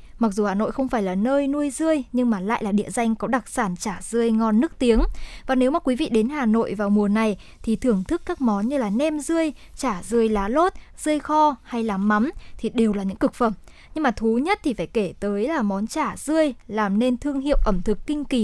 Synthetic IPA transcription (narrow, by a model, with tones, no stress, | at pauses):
ma˨˩k̚zu˨˩haː˨˩no̰˧˨jxə˧wŋ͡mfaː˧˩jlaː˨˩nəː˧jnu˧əjzɨ˧əjɲɨ˧ŋmaː˨˩la̰ː˧˨jlaː˨˩ɗḭ˧əza˧jŋ̟kɔ˨˦ɗa˨˩k̚saː˧˩nt͡ɕaː˧˩z̥ɨ˧əjŋɔ˧nːɨ˦˥ək̚t̪i˨˦əŋvaː˨˩ne˨˦wmaː˨˩kwi˨˦vḭ˧˨ɗe˨˦nhaː˨˩no̰˧˨jvaː˨˩wmu˨˩əna˨˩j | t̪ʰi˨˩t̪ʰɨ˨˩əŋt̪ʰɨ˦˥kːaː˦˥k̚mɔ˨˦nɲɨ˧laː˨˩nɛ˧mzɨ˧əj | t͡ɕaː˧˩zɨ˧əjlaː˨˦lo˦˥t̚ | z̥ɨ˧əjxɔ˧ha˧jlaː˨˩mːa˨˦mt̪ʰi˨˩ɗe˨˩wlaː˨˩ɲɨ̰˧˥ŋkɨ˨˩k̚fə˧˩m | ɲɨ˧ŋmaː˨˩t̪ʰu˨˦ɲə˦˥t̚t̪ʰi˨˩faː˧˩jke˧˩t̪əː˨˦jlaː˨˩mɔ˨˦nt͡ɕaː˧˩zɨ˧əjlaː˨˩mne˧nt̪ʰɨ˧əŋɦḭ˧˨ə˨wʔə˧˩mt̪ʰɨ˨˩kːï˧ŋ̟ki˨˦